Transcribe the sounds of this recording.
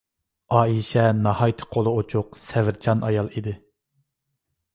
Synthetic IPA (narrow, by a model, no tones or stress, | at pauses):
ɑːiʃɛnɑhɑjt̪ʰɨ̥qʰolˠɨot͡ʃʰuqsɛvɪɾt͡ʃʰɑnɑ̰jɑlˠid̪ɪ